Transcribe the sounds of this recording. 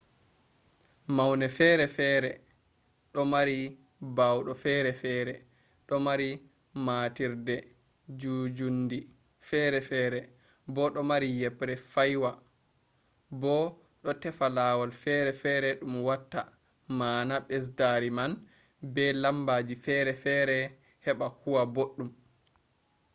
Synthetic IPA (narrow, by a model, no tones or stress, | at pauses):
mawnɛfɛɾɛfɛːɾɛ | ɗɔmaɾi | bawɗɔfɛɾɛfɛːɾɛ | ɗɔmaɾi | maːtiɾdɛ | d͡ʒud͡ʒundi | fɛːɾɛfɛːɾɛ | bɔɗɔmaɾijɛpɾɛfajwa | bɔ | ɗɔtɛfalaːwalfɛɾɛfɛɾɛɗumwatːa | maːnaɓɛs̬daɾiman | bɛlambad͡ʒifɛɾɛfɛːɾɛ | hɛɓahuwaboɗːum